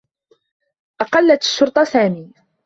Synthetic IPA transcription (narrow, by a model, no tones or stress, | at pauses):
ʔɑqɑlːaʃːʊɾˤt̪ˤɑsaːmiː